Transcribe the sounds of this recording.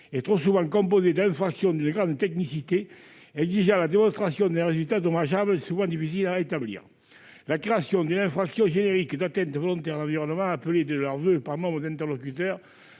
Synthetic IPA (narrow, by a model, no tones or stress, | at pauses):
et̪χosuvɑ̃kɔ̃mp̬ozed̪ɛ̃fχaksjɔ̃d̪ynəɡʁɑ̃nd̪t̪ɛknisit̪e | ɛɡziʒãlad̪emɔ̃st̪χasjɔ̃d̪ɛ̃ʁezylt̪ad̪omaʒabləsuvɑ̃nd̪ifis̬ilaet̪ablḭːʁ | lakʁeasjɔ̃d̪ynɛ̃fχaksjɔ̃ʒeneʁikd̪at̪ɛ̃nt̪əvolɔ̃nt̪ɛʁd̪lɑ̃viʁɔnəmɑ̃apəled̪əlœʁvøpaʁnɔ̃mbʁəd̪ɛ̃nt̪ɛʁlokyt̪œʁ